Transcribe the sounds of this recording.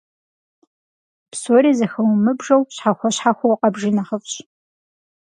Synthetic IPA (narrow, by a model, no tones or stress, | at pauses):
psoɾiːzɐxɐwmɨbʐɐwɕħaxʷɔɕħaxʷɔwqɐbʒɪnaχəfɕ